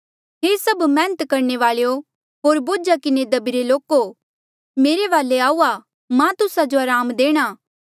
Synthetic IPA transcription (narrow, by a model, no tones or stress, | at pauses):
ɦeːsɐbmɛ̃ːnət̪kɐɾɳeʋaːɭejo | ɦoːɾboːd͡ʒakɪned̪ɐbiɾeloːko | meːɾeʋaːleaːuːa | mãt̪ʊsad͡ʒoaːɾaːmd̪eːɽ̃aː